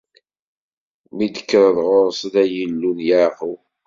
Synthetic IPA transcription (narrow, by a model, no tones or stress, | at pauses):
mid̪ə̥kːɾˤəðʁʊɾsd̪æjəlːunjaʁu